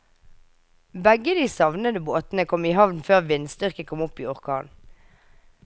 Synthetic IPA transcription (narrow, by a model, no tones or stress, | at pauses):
bɛɡəd̪iːsɑʋnəd̪əboːt̪n̩əkʰɔmiːhɑʋnføːʁʋɪnst̪ʏʁkəkʰɔmʊpiːɔʁkʰɑ̰ːn